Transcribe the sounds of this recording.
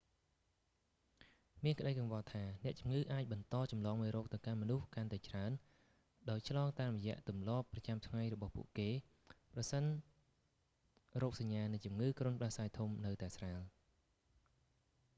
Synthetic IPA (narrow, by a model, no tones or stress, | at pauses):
miənkə̆ɗəjkɑŋʋɑːt̪ʰaːnɛ̆əʔt͡ɕumŋɨːʔaːc̚ɓɑnt̪ɑːt͡ɕɑmlɑːŋmɔːjɾɔːk̚t̪ɨwkanmɔnuhkant̪aɛt͡ɕraən | ɗaɔjt͡ɕʰlɑːŋt̪aːmrɔjɛ̆əʔt̪umlŏəpːrɑt͡ɕamt̪ʰŋajrɔɓɑhpṵəʔkeː | prɑsən | rɔːk̚saɲːaːnɨŋt͡ɕumŋɨːkrŏənpɗəhsaːjt̪ʰumnɨwt̪aɛsraːl